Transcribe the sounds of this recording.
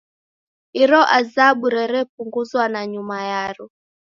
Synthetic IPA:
iɾɔʔazaɓuɾɛɾɛp̚uŋɡuzwanaɲumajaɾɔ

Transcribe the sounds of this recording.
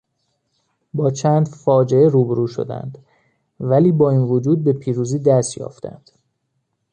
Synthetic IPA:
bɒːt͡ʃʰæːnd̪fɒːd͡ʒe̞eɾuːbeɾuːʃo̞̰d̪æ̰nd̪ | væliːbɒːinvod͡ʒuːd̪̚be̞pʰiːɾuːziːd̪æst̪jɒ̰ːft̪æ̰nd̪̥

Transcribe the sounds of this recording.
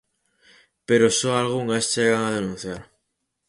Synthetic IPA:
pe̞ɾosoalɣ̞uŋast͡ʃeɣaŋað̞e̞nũn̟θjaɾ

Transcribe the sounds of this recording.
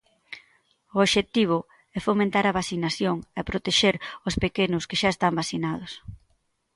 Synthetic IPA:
ʊoβʃet̪iβ̞ʊ | ɛfomẽnt̪aɾɐβasinaθjoŋɛpɾot̪eʃeɾʊspekenʊskeʃaest̪ambasθinað̞ʊs

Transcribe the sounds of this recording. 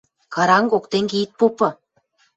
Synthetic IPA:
kɑɾɑŋɡokt̪eŋɡʲeit̪̚popɤ̆

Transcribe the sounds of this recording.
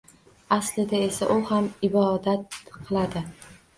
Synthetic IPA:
aslɪd̪ae̞saʔʊhamɪbɒd̪at̪qʰɨlˠad̪ɪ

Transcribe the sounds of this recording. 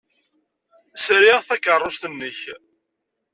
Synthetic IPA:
sɾiʁθækərˤːost̪ənːəç

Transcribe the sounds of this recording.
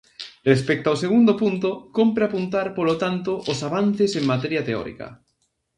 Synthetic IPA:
respɛk̚t̪oaoseɣund̪opunt̪okompɾeapunt̪aɾpolot̪ant̪oʔːsaβan̟θɪseŋmat̪ɛɾjɐt̪eɔ̰ɾḭkɐ̰

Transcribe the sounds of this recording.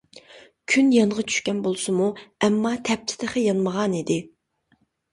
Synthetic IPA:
kʲʰynjɑɴʁɑt͡ʃʰy̥ʃkʲɛnbolˠsʊmuɛmːɑt̪ʰɛp̚t̪ʰɪ̥d̪ɪχɪjɑnməʁɑnid̪ɪ

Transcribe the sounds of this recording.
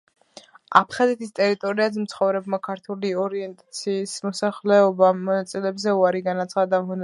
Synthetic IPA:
a̰pʰχazɛt̪ʰist̪ʼɛɾit̪ʼɔɾiazɛmt̪sʰχɔvɾɛbmakʰaɾt̪ʰuliɔɾiɛnt̪ʼat̪sʰiːsmɔsaχlɛɔbamɔnat̪sʼilɛbzɛuaɾiɡanat̪sʰχad̪amɔn

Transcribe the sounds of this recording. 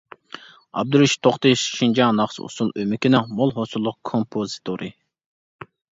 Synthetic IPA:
ɑ̰b̚d̪uɾuʃt̪ʰoχt̪ɨʃʃind͡ʒɑnɑχsṵsulˠømɪkʲinɛmolˠɦosulˠːʊq̚kʰompʰozit̪ʰoɾʔɨ

